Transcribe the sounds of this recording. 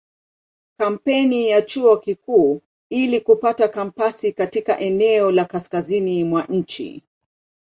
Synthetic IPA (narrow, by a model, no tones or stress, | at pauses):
kam̩pɛnijat͡ʃuɔkikuː | ilikupatakampasikatikaʔɛnɛɔlakaskazinimwaʔɲ̩t͡ʃḭ